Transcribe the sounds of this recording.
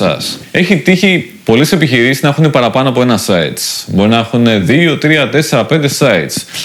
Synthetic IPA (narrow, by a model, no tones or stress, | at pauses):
ɐ̰se̞çit̪içi | po̞lese̞piçiɾisiznɐexunepɐɾɐpɐnoɐpo̞e̞nɐsɐḭt̪sbo̞ɾinɐexune̞ðio̞t̪ɾiɐt̪e̞se̞ɾɐpe̞nd̪e̞sɐit̪s